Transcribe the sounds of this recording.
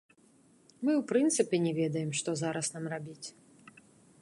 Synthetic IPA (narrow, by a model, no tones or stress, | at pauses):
mɨwpɾɨnt̪sɨpʲɛnʲɛvʲɛd̪ɐjɛmʂt̪ɔzaɾɐsnamrabʲit͡sʲ